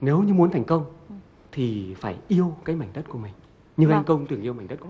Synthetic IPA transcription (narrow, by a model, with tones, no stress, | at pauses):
ne˨˦wɲɨ˧mu˨˦ənt̪ʰɛ˨˩ŋ̟kə˧wŋ͡m | t̪ʰi˨˩faː˧˩jʔi˧əwkaː˨˦jma˧˩jŋ̟t̪t̚ku˧˩əmï˨˩ŋ̟ | ɲɨ˧ʔɛ˧ŋkə˧wŋ͡mt̪ɨ˨˩əŋʔi˧wma˧˨˩ŋ̟t̪tk